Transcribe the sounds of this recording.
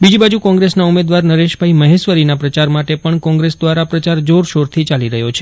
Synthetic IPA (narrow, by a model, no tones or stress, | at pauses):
bid͡ʒibad͡ʒukɔ̃ŋɡɾesnaumed̪ʋaɾnəɾeʃbʱaiməɦesʋəɾinapɾət͡ʃaɾmaʈepəɳkɔ̃ŋɡɾesd̪ʋaɾapɾət͡ʃaɾd͡ʒoɾʃoɾt̪ʰit͡ʃaliɾəɦjot͡ʃʰe̥